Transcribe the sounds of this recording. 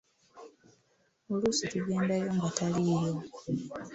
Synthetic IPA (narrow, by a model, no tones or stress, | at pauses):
olusituɡe̞ːndajo̞ŋɡataliːjo̞